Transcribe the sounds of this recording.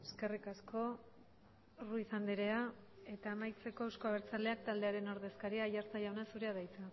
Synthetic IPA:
eske̞rikasko̞ | ruisand̪iɾe̞ae̞t̪aːmajt͡se̞ko̞ewsko̞aβe̞ɾt͡sale̞ak̚t̪ald̪eaɾe̞no̞ɾðe̞skaɾiaːjaɾt͡sajaonasuɾeaðajt͡se

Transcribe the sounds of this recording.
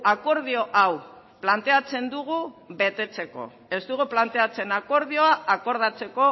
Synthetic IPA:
ako̞ɾð̞io̞ʔaw | plant̪e̞at͡se̞nd̪uɣ̞uβe̞t̪e̞t͡se̞ko̞̰ | e̞zt̪uɣuplant̪e̞at͡se̞nako̞ɾðio̞aako̞ɾð̞at͡se̞ko̞

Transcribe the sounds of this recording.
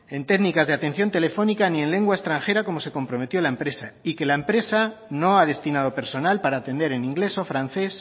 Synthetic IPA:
e̞nt̪e̞ɣnikazðeat̪e̞nθjo̞nt̪e̞le̞fo̞nikanie̞nle̞ŋɡwae̞st̪ɾaŋxe̞ɾako̞mo̞se̞ko̞mpɾo̞me̞t̪jo̞laempɾe̞saike̞laempɾe̞sano̞að̞e̞st̪inað̞o̞pe̞ɾso̞nalpaɾaːt̪e̞nd̪e̞ɾenĩŋɡle̞so̞fɾan̟θe̞s

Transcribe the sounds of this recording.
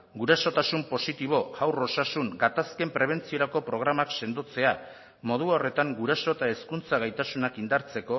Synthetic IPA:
ɡuɾaso̞t̪asumpo̞sit̪iβ̞o̞ɣawro̞sasuŋɡat̪aske̞mpɾe̞β̞e̞nt͡sio̞ɾako̞pɾo̞ɣɾamakse̞nd̪ot͡se̞a | mo̞ð̞uaore̞t̪aŋɡuɾaso̞t̪aeskunt͡saɣ̞ajt̪asunakind̪aɾt͡se̞ko̞

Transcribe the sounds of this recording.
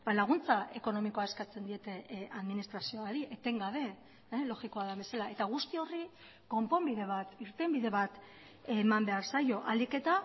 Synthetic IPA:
balaɣunt͡saʔe̞ko̞no̞miko̞ae̞skat͡se̞nd̪ie̞t̪e̞aðminist̪ɾasio̞aɾiʔet̪e̞ŋɡaβ̞e̞ | lo̞ɣiko̞aðaβbe̞salae̞t̪aɣ̞ust̪io̞ri | ko̞mpo̞mbiðe̞β̞at̪iɾt̪e̞mbiðe̞βat̪ | emambe̞aɾsajo̞ʔalike̞t̪a

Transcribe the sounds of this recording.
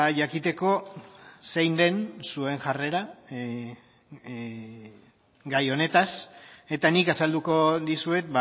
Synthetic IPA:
aʝakit̪e̞ko̞sejnd̪e̞nsue̞ŋʝare̞ɾa | ɡajo̞ne̞t̪ase̞t̪anikasald̪uko̞ðisue̞t̪̚ba

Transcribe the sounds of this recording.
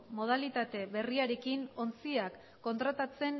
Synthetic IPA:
mo̞ð̞alit̪at̪e̞βe̞riaɾe̞kino̞nt͡siakː | o̞nt̪ɾat̪at͡se̞n

